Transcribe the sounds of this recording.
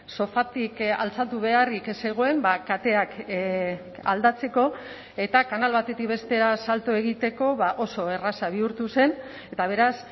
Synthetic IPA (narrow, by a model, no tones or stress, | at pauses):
so̞fat̪ika̰lt͡sat̪uβe̞arikse̞ɣ̞o̞e̞mbakat̪e̞ak | a̰ld̪at͡se̞ko̞ | e̞t̪akanalβat̪e̞t̪ik̚be̞st̪e̞ɾasalt̪oe̞ɣ̞it̪e̞ko̞βaʔo̞so̞e̞rasaβ̞iuɾt̪use̞n | e̞t̪aβ̞e̞ɾas